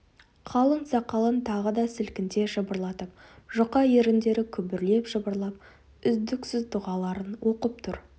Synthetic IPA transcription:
qʰɑlˠəɴsɑqɑlˠənt̪ʰɑʁəd̪ɑsɪlkʲɪnt̪e̞ʒəbəɾlˠɑt̪əp̚ʒʊqɑjeɾɪnd̪e̞ɾɪkʲʰʏbɪɾle̞pʒəbəɾlˠɑp̚ | ʏzd̪ɪksɪzt̪ʊʁɑlˠɑɾənwo̞qəp̚t̪ʰʊɾ

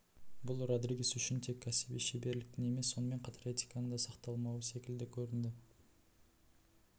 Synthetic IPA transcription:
bʊlˠrod̪ɾiɡʲisʏʃɪnt̪ʰe̞kʲʰːæsibiʃebe̞ɾlɪk̚ʲt̪ɪne̞me̞sːo̞nəme̞ɴqʰɑt̪ʰɑɾet̪ʲi̥kɑnəd̪ɑsɑqt̪ɑlˠmɑwəse̞kʲɪld̪ɪkʲʰɵɾɪnd̪ɪ

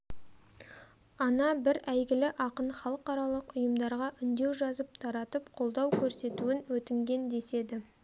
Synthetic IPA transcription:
ɑnɑbɪɾæjɡʲɪlɪʔɑqənχɑlˠəqɑɾɑlˠəqʊjəmd̪ɑɾʁɑʔʏnd̪e̞wʒɑzəp̚t̪ʰɑɾɑt̪əpqʰo̞lˠd̪ɑwkʲʰɵɾse̞t̪uwɪnwɵt̪ɪŋɡʲe̞nd̪e̞se̞d̪ɪ

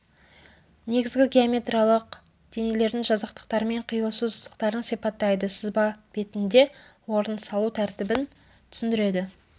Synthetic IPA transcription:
ne̞ɡʲɪzɡʲɪɡʲeamʲe̞t̪ralˠəq | d̪̥e̞ne̞le̞ɾd̪ɪŋʒɑzəq̚t̪əq̚t̪ɑɾəme̞ɴqʰijəlˠsuzəqt̪ɑɾənsipɑt̪ːɑjd̪əsɪzbɑb̥e̞t̪ɪnd̪e̞ | wo̞ɾənsɑlˠut̪ʰæɾt̪ɪbɪn | t̪ʰʏ̥sɪnd̪ɪɾe̞d̪ɪ

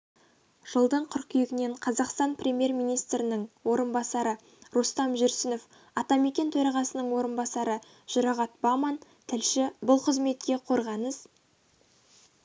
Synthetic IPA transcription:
ʒ̥əlˠd̪əɴqʰʊɾkʲʰʏjɪɡʲɪne̞ɴqʰɑzɑqst̪ɑnprʲemʲje̞rmijnijst̪ɾɪnɪɴwo̞ɾənbɑsɑɾə | ɾust̪ɑmʒʏɾsɪnof | ɑt̪ɑme̞kʲe̞nt̪ʰɵɾɑʁɑsənəɴwo̞ɾənbɑsɑɾə | ʒ̥ʊɾɑʁɑt̪̚bɑmɑn | t̪ʰɪlʃɪbʊlˠqʰəzme̞t̪kʲe̞qʰo̞ɾʁɑnəz̥

